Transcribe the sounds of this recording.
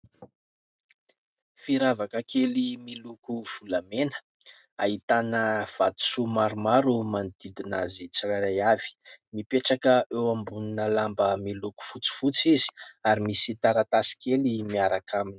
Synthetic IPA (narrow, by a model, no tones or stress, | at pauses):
fiɾavakəkelimilukuv̥ulamenə̥ | aɦit̪anəv̥at̪u̥sumaɾumaɾumand̪id̪inazit͡siraɾajav̥i̥mipeʈ͡ʂakəʔewambuninəlambəmiluku̥fut͡si̥fut͡sizi̥aɾimisit̪aɾat̪asi̥kelimiaɾakʰamini̥